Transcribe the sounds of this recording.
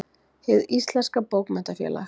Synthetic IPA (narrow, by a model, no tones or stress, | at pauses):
hɪðist̪lɛnskapowkmɛn̥t̪afjɛ̰ːla̰x